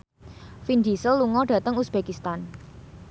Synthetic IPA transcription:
findisəlːuŋɔɖ̥ä̤t̪əŋusb̥ekist̪an

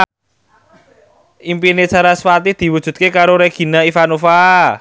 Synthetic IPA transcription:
ʔimpinet͡ʃaɾaswat̪id̪̥i̤wud̥ʒ̥ṳt̪̚kekaɾoɾeɡ̥i̤naifanofa

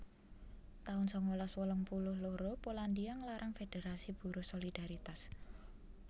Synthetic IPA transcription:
t̪aʊnsɔŋolɔswɔlɔŋpulʊhloɾopoland̪iaŋlaɾʔaŋfed̪̥e̤ɾasib̥ṳɾʊsolid̪̥aɾit̪as

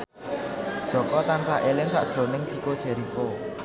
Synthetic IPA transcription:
d̥ʒ̥ɔ̤kɔt̪ansaʔelɪŋsa̰ʔdʒ̥ɾo̤nɪŋt͡ʃikod̥ʒ̥ɛ̤ɾiko

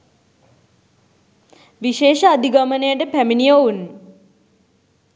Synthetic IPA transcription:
ʋiʃeːʃəad̪iɡamənejəʈəpæminijoun

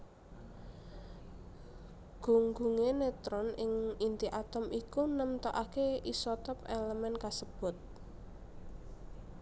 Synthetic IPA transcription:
ɡ̥ṳŋɡuŋenet̪ɾɔnɪŋint̪iʔat̪ɔmʔikunəmt̪ɔʔakeisɔt̪ɔpeləmɛnkasəb̥ʊ̤t̪̚

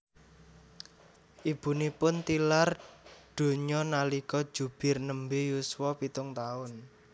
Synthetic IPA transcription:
ʔib̥ṳnipʊnt̪ilarɖ̪̥o̤ɲɔnalikɔ̥d͡ʒ̥ṳb̥ɪ̤rnəmbejuswɔpit̪ʊŋt̪aʊn

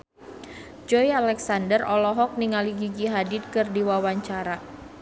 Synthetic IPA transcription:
d͡ʒɔjalɛksandərɔlɔɦɔk̚niŋaliɡiɡiɦadit̪̚kɨrdiwawaɲt͡ʃaɾa

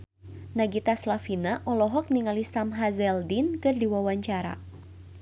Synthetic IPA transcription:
naɡit̪aslafinaʔɔlɔɦɔk̚niŋalisamɦazɛldinkɨrdiwawaɲt͡ʃaɾa̰

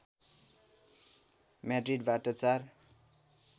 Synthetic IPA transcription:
madriɖbaʈʌt͡sar

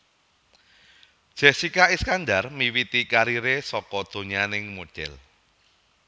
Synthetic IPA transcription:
d̥ʒ̥ɛsikaiskand̪armiwit̪ikaɾiɾesɔkɔd̪̥o̤ɲanɪŋmod̥ɛ̰l

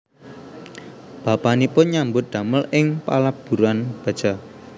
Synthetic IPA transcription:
b̥a̤panipʊnɲambʊt̪̚d̪̥a̤məlʔɪŋpa̰lab̥ṳɾanb̥a̤̥d͡ʒ̥a̤

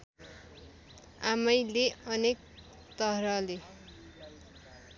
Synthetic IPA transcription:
amʌjleʌnek̚ | t̪ʌrʌle

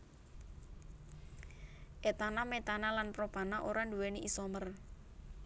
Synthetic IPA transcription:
ʔet̪anamet̪analanpɾɔb̥a̤naʔoɾanduweniʔisɔmər

